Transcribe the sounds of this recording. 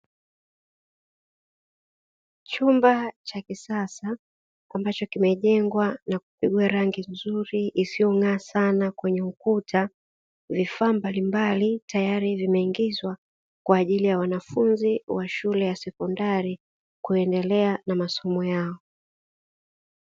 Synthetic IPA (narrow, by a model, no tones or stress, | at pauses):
t͡ʃumbat͡ʃakisasaː | mbat͡ʃɔkimɛʄɛŋɡwanaku̥piɠuaɾaŋɡinzuɾiʔːsijɔŋaːsanakwɛɲɛukutʰa | vifaːmbalimbalitajaɾivimɛiŋɡizwa | kwaːʄilijawanafunziwaʃulɛjasɛkɔndaɾi | kuɛndɛlɛanamasɔmɔjaɔ